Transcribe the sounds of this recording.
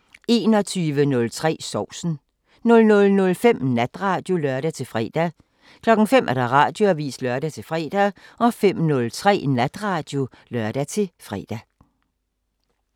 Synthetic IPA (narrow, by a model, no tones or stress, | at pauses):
e̝ːnɒ̽t͡sʰyːʋənɔ̽lt͡sʰʁɛ̰ːsɒʊ̰sn̩ | nɔ̽lnɔ̽lnɔ̽lfem̰næd̥ʁɑ̈ːd̥jo̝lœɐɾ̥æt͡sʰe̝lfʁɛ̰ːd̥æ | kʰlɒ̽ɡ̥ŋ̩femʔæɐɾ̥ɑ̈ʁɑ̈ːd̥jo̝æʋḭːslœɐɾæt͡sʰe̝fʁɛ̰ːd̥æɒ̽fem̰nɔ̽lt͡sʰʁɛ̰ːnæd̥ʁɑ̈ːd̥jo̝ | lɶɐd̥æt͡sʰe̝fʁɛ̰ːd̥æ